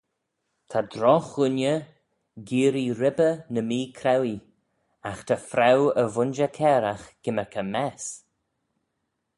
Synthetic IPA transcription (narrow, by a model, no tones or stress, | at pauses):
t̪ʰad̪ɾɔxʊnjə | ɡiːɾiɾɪbənəmiːkʰɾɛwi | axt̪ʰafɾawəvʊnd͡ʒəkʰɛːɾaxɡ̥ɪməkʰəmɛs